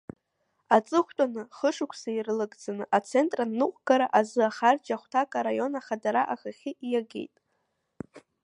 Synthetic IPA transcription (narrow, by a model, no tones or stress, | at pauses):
at͡sʼɨχʷtʷʼanɨχəʂɨkʷʰsairlɨɡʼd͡zanɨʔat͡sʰe̞ntʼranːɨqʷʼɡ̥aɾaʔazɨaχard͡ʒaχʷtʰakʼaɾajo̞naχadaɾaʔaxaχʲiʔijaɡe̞̰jtʼ